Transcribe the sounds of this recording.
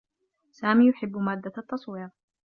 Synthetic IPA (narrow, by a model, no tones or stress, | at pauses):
saːmiːjʊħɪbːmaːd̪ːaʔat̪ːɑsˤwiːɣ